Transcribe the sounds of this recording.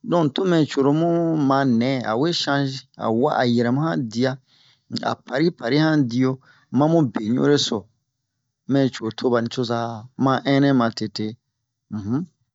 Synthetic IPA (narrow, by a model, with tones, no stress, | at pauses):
dɔ̃˦˨n˨to˦mɛ̃˨t͡ʃo˨ɾo˨mũ˦mã˨˦nɛ̃˨˦a̰˨we˦ʃã˦ʃĩ˦a̰˨wa̰˦ʔa̰˨jɛ˨ɾɛ˨mũ˦hã˦di˦a˦˨ | a̰˨pʰa˨ɾi˦pa˨ɾi˦hã˦di˦jo˦ | mã˦mũ˦be˨ɲṵ̃˦ɾe˦so˨ | mɛ̃˦˨t͡ʃo˨tʰo˦ba˨nĩ˨t͡ʃo˦sa˦mã˦ʔɛ̃˦nɛ̃˦mã˨te˨te˦ | m̩̃˨h̩˦